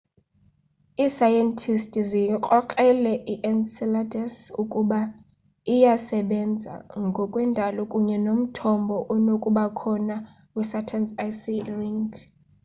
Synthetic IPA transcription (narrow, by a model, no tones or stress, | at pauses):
isajɛntʰistʼiziqʼɔkʼɛlɛʔiʔɛnsɛladɛsukʼuɓa | ijasɛɓɛnd͡zʱa̰ŋɡʱɔkʼwɛndʱalɔkʼuɲɛnom̩tʰɔmbʱɔʔɔnokʼuɓakʰɔna | usatʰansajsiriŋɡ